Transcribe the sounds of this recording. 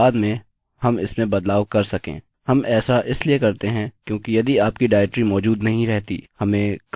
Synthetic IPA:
aːd̪mẽ | hɐmɪ̰smẽbɐd̪laːwkɐɾsɐkḛ̃ː | hɐmʔɛːsaʔɪsliekɐɾt̪eɦɛ̃kjõːkijɐd̪iaːpkiɖaːʈɾimɔːd͡ʒuːd̪nɐɦĩɾɛɦt̪ḭhɐmẽk

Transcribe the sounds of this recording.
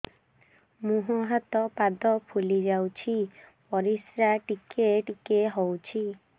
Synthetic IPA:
muɦɔɦat̪ɔpad̪ɔpʰulid͡ʒawt͡ʃʰipɔɾisɾaʈikeʈikeɦowt͡ʃʰi

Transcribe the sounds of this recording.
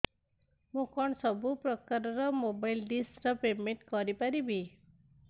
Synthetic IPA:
mũkɔɳsʌbupɾɔkaɾɔɾɔmobajlɖisɾʌpemeɳʈkɔɾipaɾibʱi

